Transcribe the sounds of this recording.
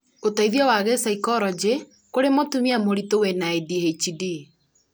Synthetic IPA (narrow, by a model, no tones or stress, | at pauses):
otaiðiɔwaɣesaikɔɾɔd͡ʒe | koɾemotumiamoɾitowenaedihet͡ʃidi